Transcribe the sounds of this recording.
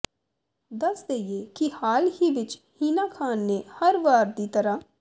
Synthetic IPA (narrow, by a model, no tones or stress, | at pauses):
d̪əsd̪eːieːkihaːlhiːʋɪt͡ʃhiːnaːkʰaːnːeːhəɾʋaːɾd̪iːt̪əɾaː